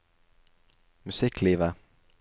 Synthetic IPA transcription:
mʉsɪkliːʋə

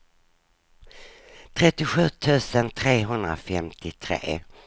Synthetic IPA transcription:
t̪ʰɾɛt̪ːɪɧʉ̟ːt̪ʰːʉ̟ːsənt̪ʰɾeːɦɵnd̪ɾa̰fɛmt̪ʰɪt̪ʰɾḛː

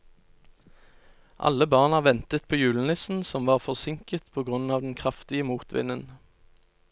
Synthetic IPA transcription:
ʔɑ̰ləbɑːʁnɑʋɛnt̪ət̪̚pʰoːjʉːln̩ɪsn̩sɔmʋɑːʁfɔʁsɪŋkət̪pʰoːɡʁʉnɑːʋd̪ɛn̩kʰʁɑft̪ɪəmuːt̪ʰʋɪ̰nən

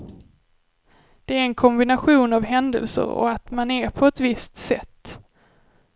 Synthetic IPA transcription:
d̪̥ɛæɾɛnkʰɔmbɪnaɧuːnavɦɛnd̪ə̰lsə̰ɾɔ̰at̪manæɾpʰɔɛt̪vɪst̪sɛ̰t̪ː

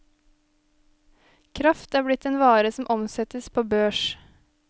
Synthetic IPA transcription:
kʰɾɑft̪æːblɪt̪eːnʋɑːɾəsɔmʔɔmsɛt̪əspʰoːbøːʃ

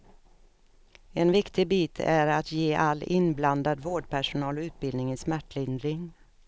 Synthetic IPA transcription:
ɛnvɪkt̪ɪbiːt̪ʰæɾat̪jeːʔalːɪnbland̪ad̪voːɖpʰæʂʊnɑːlɔʉ̟ːt̪̚bɪlnɪŋɪsmæʈːlɪnd̪ɾɪŋ

